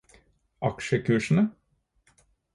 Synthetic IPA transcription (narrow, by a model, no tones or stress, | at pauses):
ʔɑkʃəkʰʉːʃn̩ə